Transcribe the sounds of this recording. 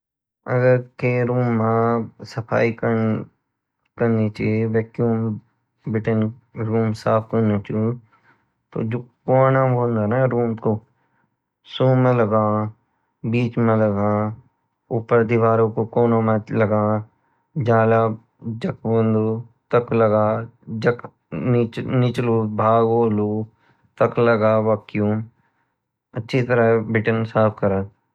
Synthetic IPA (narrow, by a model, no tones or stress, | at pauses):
ɐ̰ɡəɾkeɾuːmːãsɐpʰa̰ːikə | kɐɾnit͡ʃeʋɛːkjuːm | bɪʈənɾuːmsaːpʰkɐnat͡ʃu | t̪o̰d͡ʒokoːnãõːnd̪anaɾuːmko | suːmẽlɐɡaː | biːt͡ʃmẽlɐɡaː | ʊpːəɾd̪iʋaːɾõkokoːnõmelɐɡaː | d͡ʒaːla | d͡ʒɐkboːnd̪ot̪ɐklɐɡaːd͡ʒɐk | nɪt͡ʃluːbʱaːɡoːlu | t̪ɐklɐɡaːʋɐkjuːm | ɐtːʃʰit̪əɾaɦɛbɾɪʈənsaːpʰkɐɾa